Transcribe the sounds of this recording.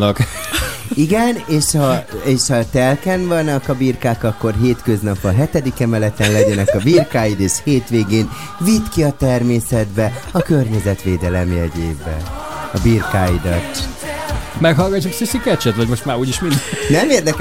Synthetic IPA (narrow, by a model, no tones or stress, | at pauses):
k | iɡɛneːʃhɒeːʃhɒt̪ɛlkɛnvɒnɒkɒbirkaːkɒkːo̞rɦeːt̪kø̞znɒpːɒɦɛt̪ɛd̪ikɛmɛlɛt̪ɛnlɛɟɛnɛkɒbirkaːjid̪eːʃheːt̪ʋeːɡeːn | vit̪kiɒt̪ɛrmeːsɛd̪bɛɒkørɲɛzɛt̪ʋeːd̪ɛlɛmjɛɟeːbɛ | ɒbirkaːid̪ɒt̪ː | mɛkɦɒlɡɒt͡ʃːosisikɛt͡ʃɛt̪vɒɟmo̞ʃt̪maːɾuːɟiʃmind̪ɛnɛmeːrd̪ɛk